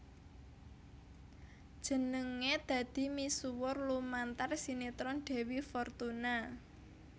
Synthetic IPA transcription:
d̥ʒ̥ə̤nəŋed̪̥ä̤d̪̥i̤misuwɔrlumant̪arsinet̪ɾɔnɖ̥e̤wifɔrt̪una

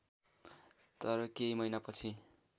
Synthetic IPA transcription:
t̪ʌɾʌkejmʌjnapʌt͡sʰi

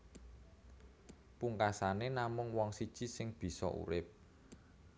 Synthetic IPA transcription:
puŋkasanenamʊŋwɔŋsid̥ʒ̥i̤sɪŋb̥i̤sɔ̰ʔṵɾɪp̚

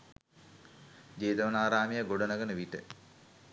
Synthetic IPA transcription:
d͡ʒeːd̪əʋɐnaːɾaːmijəɡoɖənəɡənəʋiʈə̰

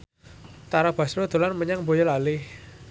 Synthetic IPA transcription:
t̪aɾab̥a̤sɾod̪̥o̤lanməɲaŋbojɔlalɪh

